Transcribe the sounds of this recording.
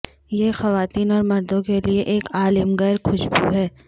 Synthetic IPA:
jeːxɐʋaːt̪iːnɔːɾmɐɾd̪õkelieʔeːkaːlɪmɣɛːɾxʊʃbuɦɛː

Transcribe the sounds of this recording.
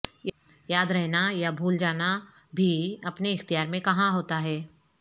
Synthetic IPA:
j | jaːd̪ɾɛɦnajabʱuːld͡ʒaːna | bʱiɐpneɪxt̪ijaːɾmẽkɐɦãɦoːt̪aɦɛː

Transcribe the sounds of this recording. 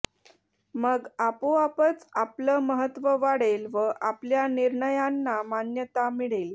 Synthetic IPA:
məɡapoapət͡sapləːməɦət̪ːʋəʋaɽelʋəʔapljaniɾɳəjanːamanjət̪amiɽel

